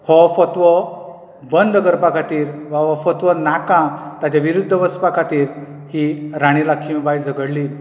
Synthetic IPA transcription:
hɔfət̪ʋə | bənd̪ʱəɡəɾpakʰat̪iːɾʋaɦɔfɔt̪ʋənakãt̪ad͡ʑaʋiɾud̪ʱːəʋəspakat̪iːɾ | hiɾaɽ̃ilakʰimbajd͡zəɡəɽliːl

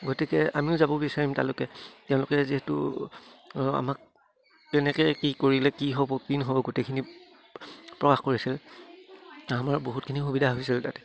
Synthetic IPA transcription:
ɡotikɛamiʊzabɔbisaɹimtalʊkɛtɛʊ̃lʊkɛziɦɛtʊ̰ | a̰mak̚ | ɛnɛkɛkikoɹilɛkiɦobɔkinɦobɔɡotekʰini | pɹɔkaxkoɹisil | amaɹboɦut̚kʰinixubidʱaɦoisiltatɛ̥

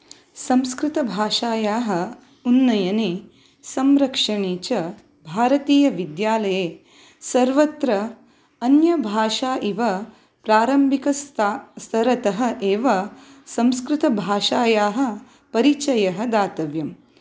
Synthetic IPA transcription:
sɐ̃mskɾɪt̪ɐbʱaːʂaːjaːɦɐ̆ | unːɐjɐne | sɐmɾɐkʂɐɳeːt͡ʃɐ | bʱaːɾɐt̪iːjɐʋid̪jaːlɐjeː | sɐɾʋɐt̪ɾɐ | ɐnjɐbʱaːʂaːʔiʋɐ | pɾaːɾɐmbʱikɐst̪ʰɐɾɐt̪ɐɦɐ̆ʔeːʋɐsɐmskɾɪt̪ɐbʱaːʂaːjaːɦɐ̆ | pɐɾit͡ʃɐjɐɦɐd̪aːt̪ɐʋjɐm

